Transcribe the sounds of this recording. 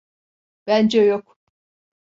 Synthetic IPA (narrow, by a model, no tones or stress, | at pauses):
b̥ænd͡ʒɛjok